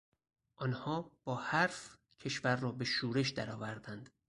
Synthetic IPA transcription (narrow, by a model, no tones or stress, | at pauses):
ʔɒːnhɒːb̥ɒːhæɾf | cʰe̞ʃvæɾːɒːbe̞ʃuːɾe̞ʃd̪æɾɒːvæɾd̪ænd̪̥